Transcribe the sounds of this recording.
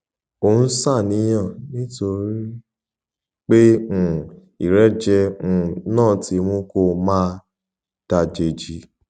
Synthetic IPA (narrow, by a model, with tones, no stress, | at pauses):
o˧˨ũ˦sa˦˨nĩ˨˦j̃ã˦˨nĩ˦to˧ɾi˦ | k͡pẽ˦˨ | i˨ɾɛ˨˦d͡ʒɛ̃˧˨˧nãː˦˨ti˨˦mũ˦ko˧˨mãː˦ | d̥a˧˨d͡ʒe˧˨d͡ʒi˧˦